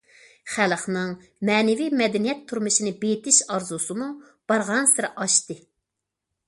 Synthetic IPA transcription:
χælχnɨŋ | mɛːnɪvimɛd̪ɛnijɛt̪ʰːuɾmuʃinɨbet̪ʰɪʃɑɾzusɨmu | b̥ɑɾʁɑnsɨɾʔɑʃt̪ɨ

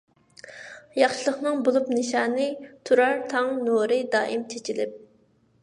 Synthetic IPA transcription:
jɑχʃɨlˠəχnɨŋbolˠupnɨʃɑːnɨt̪ʰuɾɑɾt̪ʰɑŋnoɾɨd̪ɑːʔimt͡ʃʰet͡ʃʰilɪp̚

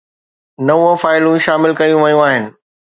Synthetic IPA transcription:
nɐʋõfaːɪlũʃaːmɪlkɐjũʋɐjũaːɦɪnɪ̆

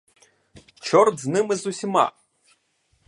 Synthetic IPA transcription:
t͡ʃʰɔrd͡znɨmɨzusʲima̰

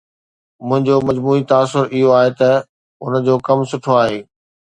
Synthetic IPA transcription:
mʊ̃ɦɪ̃ɲd͡ʑomɐd͡ʑmuːit̪aːs̬ʊɾɪɦoaːɦet̪ɐ | ʊ̰nd͡ʑoːkɐmsʊʈʰoaːɦeː

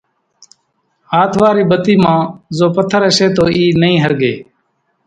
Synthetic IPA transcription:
ɦaːt̪ʰʋaːɾiːbət̪iːmãːzoːpət̪ʰːəɾəseːt̪oːiːnəĩːɦəɾɡeː

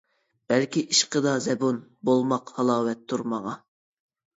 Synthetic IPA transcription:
b̥ɛlkʲiʔiʃqəd̪ɑzɛbunbolˠmɑqhɑlˠɑːwɛt̪ʰːuɾmɑʁɑ

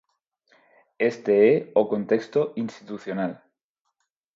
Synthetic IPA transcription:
e̞st̪eeoko̞nt̪e̞kst̪oʔinst̪it̪uθjonal

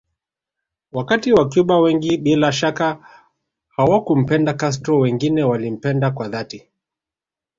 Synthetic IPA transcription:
wakatiwak̬juɓawɛŋɡiɓilaʃaka | hawakum̩pɛndakas̬tɾɔwɛŋɡinɛwalim̩pɛndakwaðati

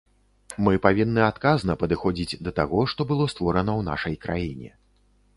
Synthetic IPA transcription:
mɨpavʲinːɨat̪kaznɐpɐd̪ɨxɔd͡zʲid͡zʲd̪ɐt̪aɣɔʂt̪ɔbɨlˠɔst̪vɔɾɐnɐwna̰ʂɐjkɾʔa̰jinʲɛ̰

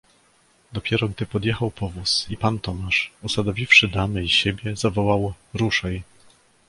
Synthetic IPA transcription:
d̪ɔpʲjɛɾɔɡd̪ɘpɔd̪jexawpɔvusipant̪ɔmaʂɔsad̪ɔvʲifʂɘd̪amɘiɕebʲjɛzavɔwaw | ɾuʂɛj

